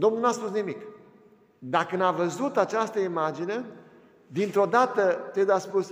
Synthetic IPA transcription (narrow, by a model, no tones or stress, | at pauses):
d̪omnulnaspusnimik | d̪akənavəzut̪at͡ʃast̪əimad͡ʒine̞ | d̪int̪ɾo̞d̪at̪ət̪ed̪aspus